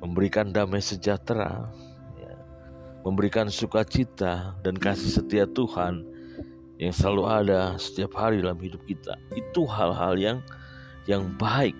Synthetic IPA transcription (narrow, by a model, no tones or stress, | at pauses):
məmbəɾikandamajsəd͡ʒat̪ɾa̰ | ja̰ | məmbəɾikansukat͡ʃit̪adankasɪhsət̪iat̪uhan | jaŋsəlaluadasə̥t̪iap̚haɾidalamhidʊp̚kit̪a̰it̪uɦalɦa̰ljaŋ | jaŋbaɪk̚